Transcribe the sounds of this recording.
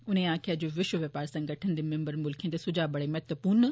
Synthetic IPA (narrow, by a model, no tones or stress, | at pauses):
ʊnẽãːkʰiad͡ʑoːʋɪʃʋəʋepaːɾsɐ̃ŋɡʱɐʈʰənd̪emɪ̃mbəɾmʊlkʰijẽd̪esʊd͡ʑaːbɐɽemɛɦt̪ʋəpuːn